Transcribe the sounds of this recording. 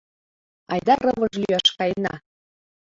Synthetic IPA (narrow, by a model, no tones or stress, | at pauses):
ɑjd̪ɑrɤβɤʒlyɑʃkɑjnɑ̰